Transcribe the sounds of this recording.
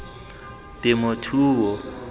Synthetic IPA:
tʼɪmʊtʰuːwɔ

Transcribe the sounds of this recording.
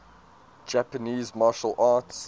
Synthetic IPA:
d͡ʒæpəniːzmɑʃəlˠʔɑːˑts

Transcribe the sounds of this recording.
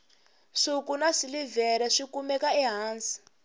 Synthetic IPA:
ʂukunaʂilivɛɾɛʂikumɛkaɛɦaːnsi̥

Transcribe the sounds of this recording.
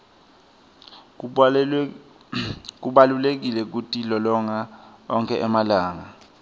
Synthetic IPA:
k̬uɓalulek̬ilɛk̬utʼʰilɔlɔŋaɔŋkʰʼɛʔɛmalaːŋa

